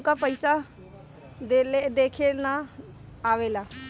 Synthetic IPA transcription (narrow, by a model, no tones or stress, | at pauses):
kaːpəɪsa | d̪led̪eːkʰeːnaː | aːʋeːlaː